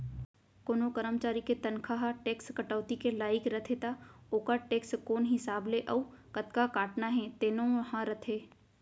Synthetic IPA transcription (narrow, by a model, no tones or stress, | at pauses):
koːnokəɾəmt͡ʃaːɾiket̪ɐnkʰaɦaʈeːkskɐʈəːt̪ikelaːɪkɾɐt̪ʰet̪aoːkaʈeːkskoːnɦɪsaːbleʔɐukɐt̪kakaːʈnaɦɛ̃t̪eːnõɦãɾɐt̪ʰeː